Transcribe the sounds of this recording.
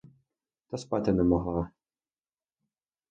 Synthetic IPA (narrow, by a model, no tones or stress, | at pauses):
t̪ɐspɑt̪ɪnɛmɔɦlˠɑ